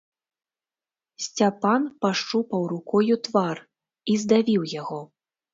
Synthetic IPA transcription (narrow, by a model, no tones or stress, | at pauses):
sʲt͡sʲapanpaʂt͡ʂupɐwɾukɔjut̪var | izd̪avʲiwjaɣɔ